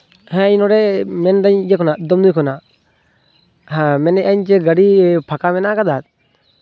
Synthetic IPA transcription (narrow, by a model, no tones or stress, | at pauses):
hɛ̃inɔɾɛmɛnd̪aɲd͡ʒɛkɔnaʔd̪ɔmd̪ujkɔnaʔ | ɦɛ̃mɛnɛʔaɲt͡ʃɛɡəɽipʰakamɛnaʔkad̪at̪̚